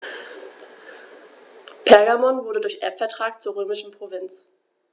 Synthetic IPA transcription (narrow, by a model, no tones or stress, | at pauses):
pʰɛɐɡamɔnvʊɐɾədʊɐçʔɛ̰ɐpfɛɐtʁ̥aːk̚t͡suːɐʁøːmɪʃn̩pʁ̥ovɪnt͡s